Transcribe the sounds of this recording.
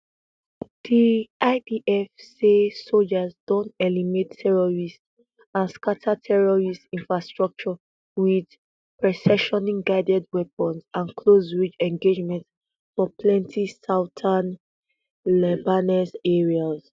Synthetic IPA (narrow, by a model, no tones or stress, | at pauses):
d̥iaɪdiʔɛfsesold͡ʒazdɔ̃ntɛlimetʰːɛɹɔɹist | ãnskatʰatʰɛɹɔɹistĩnfɹastɹɔk̚t͡ʃɔ | wid | pɹɛsɛʃɔnĩŋɡaɪdɛdwɛpə̃nsãnkʰlozɹid͡ʒɛ̃ŋɡed͡ʒmɛ̃nts | fɔpʰlɛ̃ntʰisaʊtʰan | lɛbanɛsɛɹiaz